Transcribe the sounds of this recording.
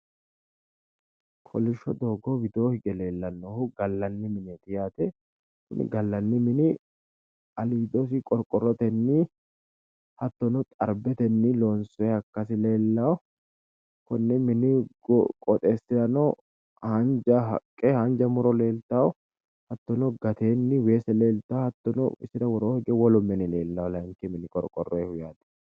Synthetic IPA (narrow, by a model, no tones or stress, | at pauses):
pʰɔlɪʃːɔd̪o̞ːɡɔwɪd̪o̞ːhɪɡɛle̞ːlːɐnːohʊɡɐlːɐnːɪmɪnɛt̪ɪjaːt̪ɛ | kʊ̰n̰ɡɐlːɐnːɪmɪnɪ | ɐliːd̪os̬ɪkʼɔɾkʼɔɾːɔt̪ɛnːi | hɐt̪ːɔnʊt̪ʼɐ̰ɾbɛt̪ɛnːiloːnsɔɛhɐkːɐsɪle̞ːlːɐw | kɔnːɛmɪnɪɡkʼɔt̪ʼeːsɪɾɐnɔ | hɐnd͡ʒɐɦɐ̰kʼːɛhɐnd͡ʒɐmʊɾɔle̞ːlt̪aːw | hɐt̪ːɔnɔɡɐt̪eːnːɪwe̞ːsɛleːlt̪ahɐt̪ːɔnɔ̰ɪsɪd̪ɐwɔɾoːhɛɡɛwɔlɔmːɛnɪle̞ːlːalɐŋkɛmɪnɪkʼɔ̰ɾkʼɔrːɔɛhʊjaːd̪ɐ̥